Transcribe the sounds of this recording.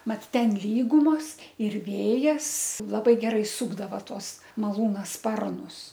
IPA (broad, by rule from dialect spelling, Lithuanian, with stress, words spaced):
ˈmɐt ˈtʲɛn ˈlʲiːɡʊmoːs ɪr ˈʋʲeːjɛs ˈlˠɑːbɐɪ ˈɡʲæːrɐɪ ˈsuːɡdɐʋɐ ˈtuɔs mɐˈlˠuːnɐ ˈspɐrnʊs